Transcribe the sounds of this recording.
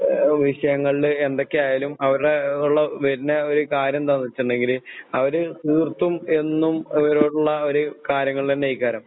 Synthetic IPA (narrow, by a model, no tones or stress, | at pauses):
ʋiɕɐjɐŋːɐɭile̞nd̪o̞kːejaːjaːlumɐʋɐɾuɽeuɭːɐʋeɾineo̞ɾukaːɾjɐmt̪ɐnːit͡ɕːuɳɖe̞ŋɡilɐʋɐɾɨt̪iːrt̪ːume̞nːumiʋɐɾoːɽuɭːɐo̞ɾukaːɾjɐŋːɐɭt̪ɐnːejikʲːaːɾɐm